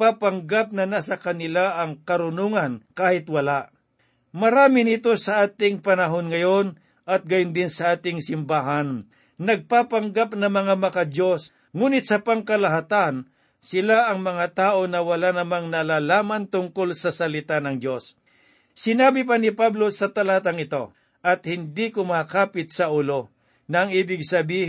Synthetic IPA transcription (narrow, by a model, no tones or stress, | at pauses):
papaŋɡap̚nɐnasɐkɐnɪlaʔɐŋkɐɾʊnoŋɐnkaːhɪt̪wɐlaʔ | mɐɾaːmɪnɪt̪o̞sɐʔaːt̪ɪŋpɐnɐɦonŋɐjo̞n | ʔɐt̪̚ɡɐjʊnd̪ɪnsɐʔaːt̪ɪŋsɪmbaːɦan | nɐɡ̚papɐŋɡap̚nɐmɐŋamɐkɐd͡ʒo̞s | ŋuːnɪt̪̚sɐpɐŋkɐlɐɦat̪an | sɪlaʔɐŋmɐŋat̪aːʔo̞nɐwɐlanɐmaŋnɐlaːlaːmɐnt̪ʊŋkolsɐsɐlɪt̪anɐŋd͡ʒo̞s | sɪnaːbɪp̬ɐnɪpablo̞sɐt̪ɐlat̪aŋɪt̪o̞ | ʔɐt̪hɪnd̪ikʊmaːkaːpɪt̪̚sɐʔʊlo̞ | nɐɐŋiːbɪɡsɐbiː